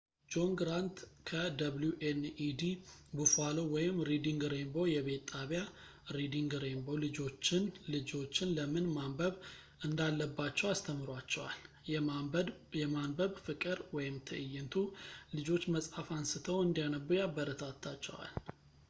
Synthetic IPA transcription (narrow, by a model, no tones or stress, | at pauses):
d͡ʒo̞ŋɡɾant̪kʰəd̪ɐβluʔenid̪ibufalowɔjɪmɾid̪iŋɡɾe̞mbo̞jɛβe̞t̪t̪ʼːaβja | ɾid̪iŋɡɾembo̞lɨd͡ʒo̞t͡ʃːɪnlɨd͡ʒo̞t͡ʃːɪnləmɨnmambəβ | ʔɨnd̪alːəbːat͡ʃːɛwast̪ʰəmɨɾwat͡ʃːɛwa̰l | jɛmanbəβfɨkʼɨɾwɔjɪmt̪ʰɨ̰ʔɨjːɪnt̪ʰulɨd͡ʒo̞t͡ʃːməsʼafansɨt̪ʰəwɨnd̪ijanəbujabːəɾət̪ʰat̪ʰːat͡ʃːɛwa̰l